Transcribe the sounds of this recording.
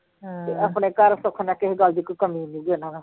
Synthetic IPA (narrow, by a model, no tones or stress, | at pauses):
t̪eːəpneːkəɾsʊkʰnaːkɪɦɡəld̪iːkkəmiːnuːɡonãːna